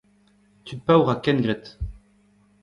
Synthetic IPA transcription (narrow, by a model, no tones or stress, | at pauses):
t̪ʰypawʁakɛnɡʁɛt̪